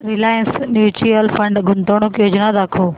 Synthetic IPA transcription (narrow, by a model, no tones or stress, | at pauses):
ɾɪlaːjə̃nsnjuːt͡ʃiəlfɐ̃ɳɖɡʱʊnt̪oːɽ̃okijoːd͡ʑnad̪aːkʰoː